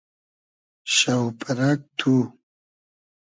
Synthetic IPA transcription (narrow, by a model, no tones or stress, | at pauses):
ʃawpʰaɾak̚t̪ʰu